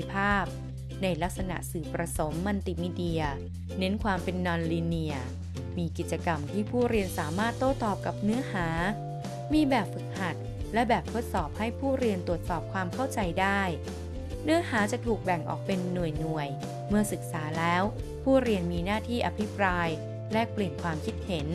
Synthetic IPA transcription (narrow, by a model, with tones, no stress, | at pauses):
i˧pʰaː˥˩p̚ | na˧jla˦˥k̚sa˧na̰˨˩ʔsɯː˨˩pɾa˧so˩˦mːa˧nt̪i˨˩miː˦˧˥di˧ɐ | ne˦˥nkʰwaː˧mpe˧nːɔː˧nliː˧ni˧ɐ | miː˧ki˨˩t̪̚t͡ɕa˧ka˧mt̪ʰiː˥˩pʰuː˥˩ɾi˧ənsaː˩˦maː˥˩t̪ːoː˥˩t̪ɔː˨˩p̚ka˨˩p̚nɯ˦˥ɐhaː˩˦ | miː˧bɛː˨˩p̚fɯ˨˩k̚ha˨˩t̪̚ | lɛ˦˥bɛː˨˩p̚t̪ʰo˦˥t̪̚sɔː˨˩p̚ha˥˩jpʰuː˥˩ɾi˧ənt̪u˨˩ət̪̚sɔː˨˩p̚kʰwaː˧mkʰa˥˩wt͡ɕa˧jdaː˥˩j | nɯ˦˥ɐhaː˩˦t͡ɕa˨˩t̪ʰuː˨˩k̚bɛ˨˩ŋʔɔ̰ː˨˩k̚pe˧nːu˨˩əjnu˨˩əj | mɯ˥˩ɐsɯ˨˩k̚saː˩˦lɛː˦˥w | pʰuː˥˩ɾi˧ənmiː˧naː˥˩t̪ʰiː˥˩ʔa˧pʰi˦˥pɾaː˧j | lɛ˦˥k̚pli˨˩ənkʰwaː˧mkʰi˦˥t̪̚he˩˦n